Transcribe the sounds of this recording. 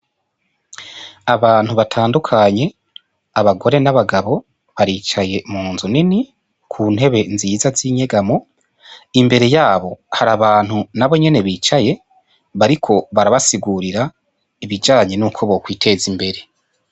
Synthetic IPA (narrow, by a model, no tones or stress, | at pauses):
aβaːn̥huβatʰaːndukʰaɲe̞ | aβaɡo̞ɾe̞naβaɡaβo̞ | βaɾiːt͡ʃaje̞muːnzunini | kʰuːn̥he̞βe̞nzijːzaziːɲe̞ɡamo | imbe̞ɾe̞jaːβo̞haɾaβaːn̥hunaβo̞ɲe̞ne̞βiːt͡ʃaje̞ | βaɾikʰo̞βaɾaβasiɡuɾiɾa | iβid͡ʒaːɲe̞nuːkʰo̞βo̞kwiːtʰe̞zimbe̞ɾe̞